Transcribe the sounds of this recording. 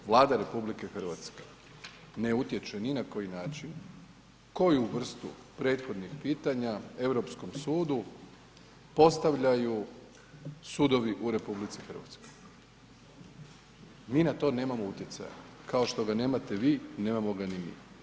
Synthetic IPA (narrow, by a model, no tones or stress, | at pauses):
ʋlˠaːd̪aɾe̞publike̞xɨr̩ʋat̪ske̥ | ne̞ut̪je̞t͡ʃeninako̞jinaːt͡ʃin | ko̞juʋr̩st̪ṵ | pɾe̞ːt̪xo̞d̪nixpiːt̪aɲae̞ʋɾo̞psko̞msuːd̪u | po̞st̪aʋʎaju | sud̪o̞ʋiʔuɾe̞publit̪sixr̩ʋa̰t̪sko̞̥j | miːnat̪o̞ːne̞ːmamout̪je̞t̪sa̰ja̰kao̞ʃt̪o̞ɡane̞ːmat̪e̞ʋiːne̞ːmamo̞ɡanimḭ